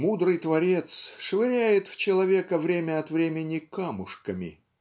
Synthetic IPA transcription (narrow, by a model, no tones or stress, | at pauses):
mud̪ɾɨjt̪vɐɾʲe̞t̪sʂɨvʲɪɾʲæjɪt̪ft͡ɕɪlˠɐvʲe̞kəvɾʲemʲəɐt̪vɾʲemʲɪnʲɪkamʊʂkəmʲɪ̰